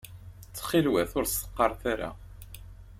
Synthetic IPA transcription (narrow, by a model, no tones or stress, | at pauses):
t͡sːχilwæθʊɾst̪ə̥qːɑɾˤθaɾa̰